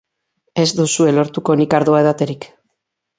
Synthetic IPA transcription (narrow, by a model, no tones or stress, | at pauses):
e̞zd̪usue̞lo̞ɾt̪uko̞nikaɾðoaeð̞at̪e̞ɾik